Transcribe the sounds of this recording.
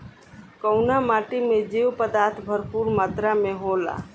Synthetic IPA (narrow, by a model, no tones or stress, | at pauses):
kəʊnamaːʈimẽd͡ʒiwpəd̪aɾt̪ʰbʱəɾpuɾmaːt̪ɾameɦola̰